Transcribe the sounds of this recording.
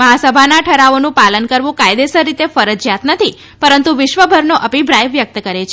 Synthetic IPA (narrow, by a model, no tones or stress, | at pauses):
məɦasəbʱanaʈʰəɾaʋonũpalənkəɾʋũkajd̪esəɾːit̪efəɾəd͡ʒjat̪nət̪ʰi | pəɾənt̪uʋɪʃʋəbʱəɾnoʔəpibɾajʋjək̚t̪kəɾet͡ʃʰe